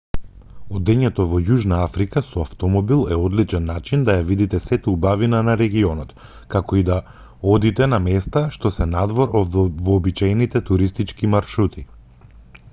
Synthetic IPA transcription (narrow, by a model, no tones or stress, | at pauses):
ɔd̪ɛɲɛt̪ɔvɔjuʒnaafɾikasɔaft̪ɔmɔbilˠɛɔd̪lit͡ʃɛnːat͡ʃind̪ajavid̪it̪ɛsɛt̪ɛubavinanaɾɛɡiɔnɔt̪ | kakɔid̪a | ɔd̪it̪ɛnamɛst̪aʃt̪ɔsɛnad̪vɔɾvɔːbit͡ʃajnit̪ɛt̪uɾist̪it͡ʃkimaɾʃɾut̪ʰi